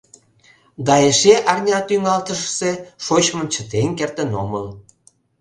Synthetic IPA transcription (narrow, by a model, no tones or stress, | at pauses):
ɡɑjeʃeʔɑrnʲɑt̪yŋɑlt̪əʃseʃot͡ɕmə̆mt͡ɕət̪enkert̪ə̆noməl